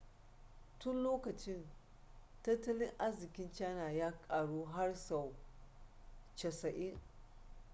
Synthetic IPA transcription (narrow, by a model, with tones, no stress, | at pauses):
tʊ˦nloː˦kɐ˨t͡ʃɪ˦n | tɐ˦tːɐ˦lɪ˦ŋʔa˦zɪ˨kʲɪ˦nt͡ʃaː˦naː˨jaː˦kʼaː˨ɽuː˦ɦa˦rsa˨w | t͡ʃɐ˨sɐ˨ʔɪ˦ŋ